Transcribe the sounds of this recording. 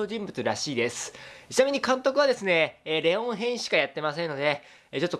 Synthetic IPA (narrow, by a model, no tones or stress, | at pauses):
oʑĩmbɯ̟t͡sɨɾaɕiːd̪e̞sɨ̥t͡ɕinamʲiɲ̟ikãnt̪o̞kɯ̟β̞ad̪e̞sɨne̞ːɾe̞õɰ̃ɦẽ̞ɰ̃ɕi̥kajat̪ːe̞masẽnːo̞d̪e̞ | t͡ɕo̞t̪ːo